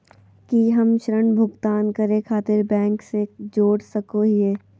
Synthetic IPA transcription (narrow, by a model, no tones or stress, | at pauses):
kiɦɐmʃɾəɳbʱʊɡt̪aːnkɐɾẽkʰaːt̪ɪɾbɛ̃ːŋksed͡ʒoːɽsɐkoɦieː